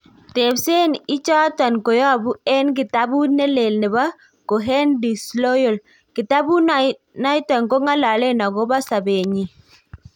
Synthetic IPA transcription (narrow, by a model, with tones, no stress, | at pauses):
te˨bse˦nɪ˦t͡ʃa˦ta˨nko˨jɔ˦˨bu˦ɛ˦nk̬ɪ˨ta˦bu˦nɛ˦le˨lnɛ˨ba˦ | ko˨ɦɛ˦ndi˨slo˦jo˨l | kɪ˨ta˦bu˦n | na˦jtɔ˨nko˦ŋa˦la˨le˦na˨ɡo˦ba˦sa˨be˨ɲi˨